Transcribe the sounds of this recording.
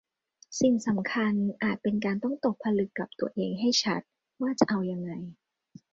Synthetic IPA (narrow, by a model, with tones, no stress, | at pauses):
si˨˩ŋsa˩˦mkʰa˧nʔaː˨˩t̪̚pe˧nk̬aː˧nt̪ɔ˥˩ŋt̪o˨˩k̚pʰːa˧lɯ˨˩kːa˨˩p̚t̪u˧ɐʔeː˧ŋɦa˥˩jt͡ɕʰa˦˥t̪̚ | waː˥˩t͡ɕa˨˩ʔa˧wja˧ŋːa˧j